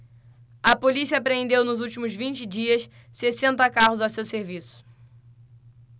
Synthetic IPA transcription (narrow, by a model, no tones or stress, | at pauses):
ɐpolisiɐpɾeẽnd̪ewnʊzuwt͡ʃimʊzvĩnt͡ʃɪd͡ʒiɐs | sesẽnt̪ɐkaɦʊzɐsewseɾvisʊ̥